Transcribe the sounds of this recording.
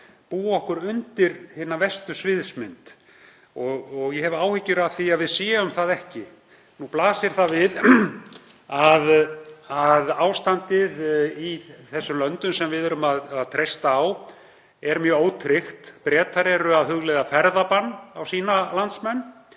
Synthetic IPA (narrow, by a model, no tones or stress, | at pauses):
puːɔhkʏɾʏnt̪ɪɾhɪnavɛst̪ʏsvɪðsmɪnt̪ | ɔɣɔɣjɛhɛvʏaːwhɪcːʏɾaðθiaðvɪðsɛːʏmθaðɛhcɪ | nuplaːsɪɾ̥θavɪð | aðaðaːwst̪ant̪ɪðiθɛsːʏmlœnt̪ʏmsɛmvɪðɛɾʏmaðaðt̪ʰɾejst̪aːw | ɛɾmjœːoːwt̪ʰɾɪxt̪pɾɛːt̪ʰaɾɛɾʏaðɦʏɣlɛjðafɛɾðapanːawsiːnalant̪smɛnː